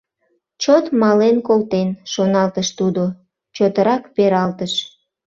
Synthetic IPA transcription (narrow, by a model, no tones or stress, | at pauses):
t͡ɕot̪mɑlenkolt̪enʃonɑlt̪əʃt̪ud̪o | t͡ɕot̪əɾɑkpeɾɑlt̪əʃ